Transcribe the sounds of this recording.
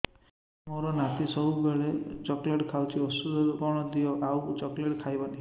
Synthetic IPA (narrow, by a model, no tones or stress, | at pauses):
moɾɔnat̪isɔɦubeɭet͡ʃɔkleʈkʰawt͡ʃʰiɔsud̪ɔkɔɽ̃ɔd̪ijɔʔawt͡ʃɔkleʈkʰajbɔni